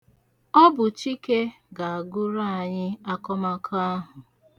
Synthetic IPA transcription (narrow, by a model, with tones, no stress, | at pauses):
ɔ˦bʊ˨t͡ʃi˦ke˦ | ɡa˨a˨ɡʊ˦ɾa˦a˨ɲɪ˦a˦kɔ˦ma˦kʰa˦a˦ɦʊ˨